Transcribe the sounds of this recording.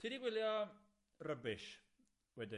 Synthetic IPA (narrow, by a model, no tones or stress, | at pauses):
tʰidiɡwɪlˠjɔ | rəbɪʃ | wɛdɪ